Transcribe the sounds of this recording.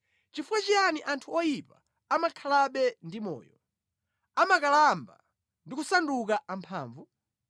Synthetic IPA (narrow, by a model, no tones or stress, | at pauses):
t͡ʃifuwat͡ʃianiʔantʰuɔjipa̰ː | makʰalaɓɛndimɔ̰ːjɔ | amakalamba | ndikusandukaʔampʰa̰ːɱvu